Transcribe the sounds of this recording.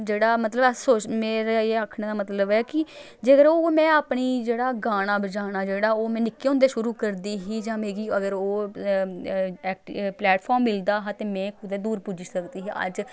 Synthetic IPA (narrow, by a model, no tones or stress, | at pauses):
d͡ʒeːɽaːmət̪ləbsoːt͡ʃmeːɾaeːaːkʰɳeːd̪aːmət̪ləbɛːkɪ | d͡ʒəɡəɾoːmɛ̃ːaːpɳiːd͡ʒeːɽaːɡaːɽ̃aːbəd͡ʒaːɽ̃aːd͡ʒeːɽaːoːmɛ̃ːnɪkːeːʊ̃nd̪eːʃʊɾuːkəɾd̪iːɦiːd͡ʒãːmeːɡiːəɡəɾoː | ɛːk̚ʈːplɛːʈpʰɔːɾmːɪld̪aːɦãːt̪eːmɛ̃ːkʊd̪ɛːd̪uːɾpud͡ʒiːsəkd̪iːɦɛːə̰d͡ʒ